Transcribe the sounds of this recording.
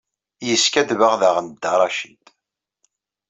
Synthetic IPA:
jəskæd̪vəʁðaʁənd̪ːəɾˤɑʃid̪

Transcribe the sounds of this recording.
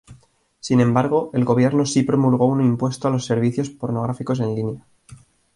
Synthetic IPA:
sinẽ̞mbaɾɣ̞o̞e̞lɣo̞βje̞ɾno̞sipɾo̞mulɣ̞o̞unimpwe̞st̪oalo̞sːe̞ɾβ̞iθjo̞spo̞ɾno̞ɣ̞ɾafiko̞sẽ̞nlinja

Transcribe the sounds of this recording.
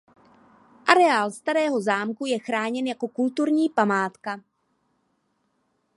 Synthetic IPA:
ʔaɾɛaːlst̪aɾɛːɦo̞zaːmkujɛxɾaːɲɛnjako̞kult̪uɾɲiːpamaːt̪ka

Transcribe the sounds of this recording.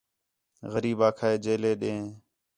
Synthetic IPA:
ɣəɾiːbaːkʰaːeːd͡ʒeːleːɗẽː

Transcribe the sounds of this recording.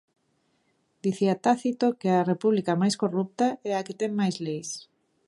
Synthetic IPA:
d̪̥iθiat̪aθit̪okearepuβlikamajskorup̚t̪aɛaket̪ɛŋmajzlejs

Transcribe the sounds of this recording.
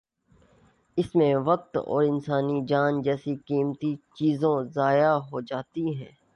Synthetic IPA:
ɪsmẽʋɐk̚t̪ɔ̰ːɾɪnsaːnid͡ʒaːnd͡ʒɛːsikiːmt̪it͡ʃiːzõzaːjaɦoːd͡ʒaːt̪iɦɛ̃ː

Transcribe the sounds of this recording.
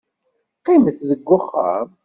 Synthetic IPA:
qiməθðəɡʷːʊχːə̰m

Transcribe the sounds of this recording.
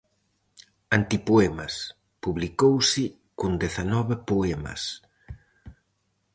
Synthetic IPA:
ant̪ipoɛmɐs | puβlikowsɪ | kond̪eθanɔβɪpoɛmɐ̰s

